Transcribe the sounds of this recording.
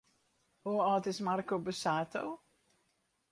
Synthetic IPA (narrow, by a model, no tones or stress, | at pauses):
oɔːtɪsmarkobəsaːtʰo̰w